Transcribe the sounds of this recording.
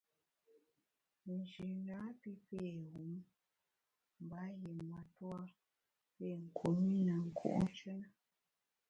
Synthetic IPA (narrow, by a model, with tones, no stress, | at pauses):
n̩˨d͡ʒi˨na˨˦pi˦pe˦˨ɣu˨˦m | m̩˨ba˨˦je˨ma˨˦twa˦ | pe˦˨ŋ̩˨kʰo˨mi˦nə˨ŋ̩˨kʰṵ˦ʔn̩˦t͡ʃə˦nə˦